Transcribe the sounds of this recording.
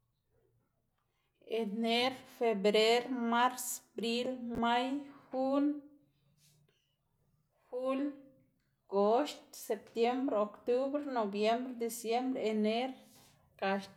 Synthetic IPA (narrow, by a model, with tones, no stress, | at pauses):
e˨ne˦ɾfe˨bɾe˦ɾma˦ɾsbɾi˦lma˦jxu˦n | xu˦l | ɡo˨˦ʃt̪se˨p̚t̪je˦mbɾeokt̪u˦βɾeno˨bje˦mbɾed̪e˨sje˦mbɾee˧ne˦ɾ | ka˨ʃ